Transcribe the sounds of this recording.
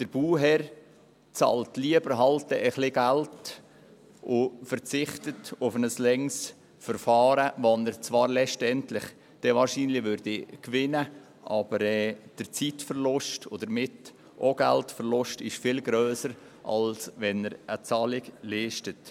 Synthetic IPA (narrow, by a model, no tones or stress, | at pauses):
d̥əɾb̥uːɦɛɾ | t͡sɑ̰ːltliəbəɾɦɑltəʔəχlɪɡælt | ʊfəɾt͡sɪχtətʊfənəslɛŋs | fəɾfɑːɾəʋɔnəɾt͡svɑːɾlɛʃtɛntlɪχ | d̥ɛʋɑːɾʃiːnlɪʋʏɾd̥ikʋɪnə | ʔɑb̥əɾɛːd̥əɾt͡sitfəɾlʊʃtod̪əɾmɪt | ʔoɡ̥æ̰ltfəɾlʊʃtɪʃfɪlɡɾøːsəɾ | ʔɑ̰lsʋɛnəɾʔət͡sɑːlɪɡliːʃtət